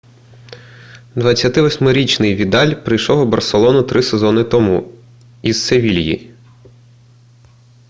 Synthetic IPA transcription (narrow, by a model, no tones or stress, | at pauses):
d̪ʋɐt͡sʲːɐt̪ɪʋɔsʲmɔɾʲit͡ʃnɪjʋʲid̪ɑlʲpɾɪjʃɔwʊbɐrselˠɔnʊt̪ɾɪsezɔnɪt̪ɔmu | izseʋʲilʲjḭ